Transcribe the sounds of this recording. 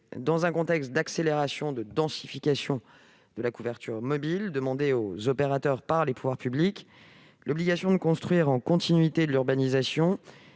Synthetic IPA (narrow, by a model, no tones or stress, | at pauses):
d̪ɑ̃zɛ̃kɔ̃t̪ɛkst̪̚d̪akseleʁasjɔ̃d̪əd̪ɑ̃si̥fikasjɔ̃ | d̪̥əlakuvɛʁt̪yʁmɔbild̪əmɑ̃d̪eozɔpeʁat̪œʁpaʁlepuvwaʁpyblik | lɔbliɡasjɔ̃d̪əkɔ̃st̪χɥiʁɑ̃kɔ̃t̪ʰinɥit̪ed̪əlyʁbanizasjɔ̃